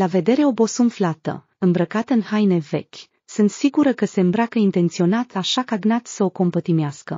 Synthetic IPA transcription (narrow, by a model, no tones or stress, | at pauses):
lave̞d̪e̞ɾe̞o̞bo̞sumflat̪ə̰ | ɨmbɾəkat̪ɨnhajne̞ve̞̰kʲ | sunt̪siɡuɾəkəse̞ɨmbɾakəint̪e̞nt̪sio̞nat̪ʰaʃakaɡnat̪səo̞ko̞mpət̪imeaskə